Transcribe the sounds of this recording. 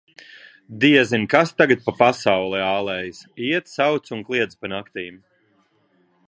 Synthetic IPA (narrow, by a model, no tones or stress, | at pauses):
d̪iɛzinkast̪aɡat̪̚papasawlˠɛaːlˠɛːjisiɛt̪sawt̪sunklˠiɛd̪spanakt̪iːm